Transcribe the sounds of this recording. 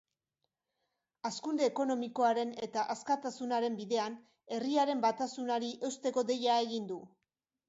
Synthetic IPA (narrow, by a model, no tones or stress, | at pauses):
askund̪e̞ːko̞no̞miko̞aɾe̞ne̞t̪aʔaskat̪asunaɾe̞mbiðe̞an | e̞riaɾe̞mbat̪asunaɾiʔe̞wst̪e̞ko̞d̪e̞jae̞ɣind̪u